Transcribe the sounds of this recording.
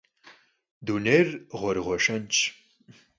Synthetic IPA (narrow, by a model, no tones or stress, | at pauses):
duneːrʁʷɔɾɨʁʷɔʃɐnt͡ʃʼʰ